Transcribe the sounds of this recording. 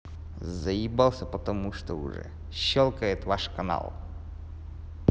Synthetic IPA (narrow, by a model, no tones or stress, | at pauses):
zɐjibalˠsʲɐpɐt̪ɐmuʂt̪oʊ̰ʐɛ̰ | ɕːɔlˠkəjɪt̪vaʂkɐna̰lˠ